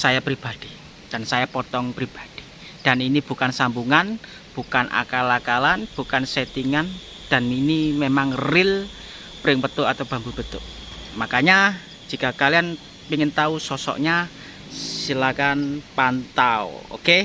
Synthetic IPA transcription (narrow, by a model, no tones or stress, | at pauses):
sajapɾib̥ad̥i̥ | d̥a̤nsajapɔt̪ɔŋpɾib̥ḁd̥i̥ | d̥aninib̥ṳkansambuŋan | b̥ukanʔa̰kalakalanb̥ṳkanset̪iŋan | d̥aninimemaŋrɪl | pɾɪŋpət̪ʊʔat̪awb̥a̤mbub̥ət̪ʊ̰ʔ | makaɲḁ | d͡ʒ̥i̤kakalian | piŋɪnt̪ausɔsɔ̰ʔɲa | ssilakanpant̪ao̰o̰ke